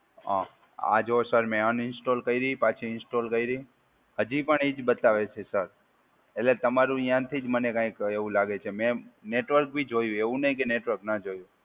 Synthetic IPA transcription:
ã̰ | a̰d͡ʒɦosəɾmɛ̃añɪnsʈolkəiɾəɦipat͡ʃʰiɪnsʈolkəiɾəĩ | həd͡ʒipəɳid͡ʒbət̪aʋet͡ʃʰesəɾ | elet̪əmaɾũijãt̪ʰid͡ʒmənekãĩkeʋũlaɡet͡ʃʰemɛ̃neʈʋəɾk̚bʱid͡ʒojũeʋũnəɦĩkeneʈʋəɾknad͡ʒojũ

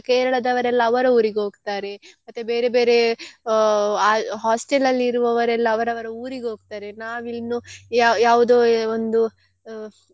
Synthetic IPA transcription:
keːɾɐɭɐd̪ɐʋɐɾɛlːɐːʋɐɾɐuːɾiɡeɦoːɡt̪aːɾe̞mɐt̪ːebeːɾebe̞ːɾe̞ | aːɦaːsʈelɐlːiiɾuʋɐʋɐɾɛlːɐːʋɐɾɐʋɐɾɐuːɾiɡeɦo̞ːɡt̪aːɾe̞naːʋilnujajaːʋud̪oːond̪u

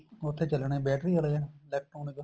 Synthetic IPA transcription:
ʊt̪ʰːeːt͡ʃəlɳẽːbɛːʈɾiːəleːɛlɛːk̚ʈɾoːnɪk

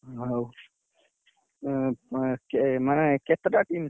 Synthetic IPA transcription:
ɦow | kemanket̪ɾaʈiːm

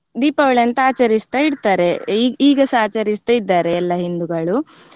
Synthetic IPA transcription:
d̪iːpɐʋɐɭɐnt̪ɐaːt͡ʃɐɾist̪ɐiɽt̪aːɾe̞iiːɡɐsaːt͡ʃɐɾist̪ɐid̪ːaːɾeːlːɐɦind̪uɡɐɭu

